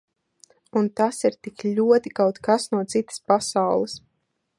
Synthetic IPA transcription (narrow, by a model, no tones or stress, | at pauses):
unt̪asiɾt̪iklʲuɔt̪ikawt̪kasnuɔt̪sit̪ə̥spasawlˠɨs